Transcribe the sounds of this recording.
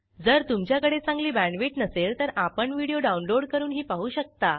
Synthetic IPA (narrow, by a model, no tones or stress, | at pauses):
d͡zəɾt̪umt͡ɕjakəɽet͡sãŋɡliːbæɳɖʋiʈnəseɭt̪əɾapəɳʋiɽijoɖaunloɽkəɾuːnɦiːpaɦuːɕək̚t̪a